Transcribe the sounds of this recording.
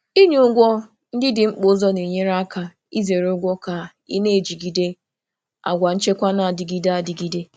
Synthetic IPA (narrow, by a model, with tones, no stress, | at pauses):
i˦ɲe˦ʊ˦ɡʷɔ˦ | n̩˦dɪ˦dɪ˨ŋ͡m̩˦k͡po˦zɔ˦ne˨ɲe˦ɾa˦ka˨ | i˦ze˨ɾo˦ɡʷɔ˦ka˨ | ḭ˦ne˦˨d͡ʒi˨ɡi˨de˦ | a̰˨ɡʷa˨n̩˦t͡ʃe˦kʷa˦na˨a˨dɪ˨ɡi˦da˦a˨di˨ɡi˦de˦